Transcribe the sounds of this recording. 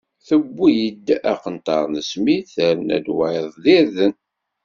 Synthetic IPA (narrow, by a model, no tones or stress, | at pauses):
θəbːijəd̪ːæqənt̪ɑɾˤnəsmiθəɾnæ̰d̪waeðˤðiɾðən